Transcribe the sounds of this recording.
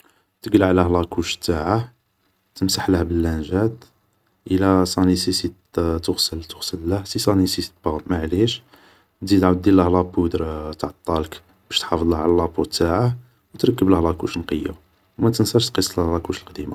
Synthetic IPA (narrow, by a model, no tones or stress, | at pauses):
t̪əɡlʕlæhlɑkuʃt̪ːaʕa | t̪əmsaħləhbəlːænʒæd̪ | ʔəlæsˤɑnisisit̪t̪ʊɣsəlt̪ʊɣsəlːəhsisˤɑnisisbɑmaʕliʃ | d̪id̪ʕud̪ːilːəhlɑbud̪ɾt̪ʕɑt̪ˤːɑlək | b̥æʃt̪ħɑfd̪ˤləhʕlælɑbut̪ːaʕa | wt̪ɾˤɑkːəbləhlɑkuʃnqəjːṵ | wmæt̪ənsæʃt̪qisˤːllɑkuʃəlqd̪ima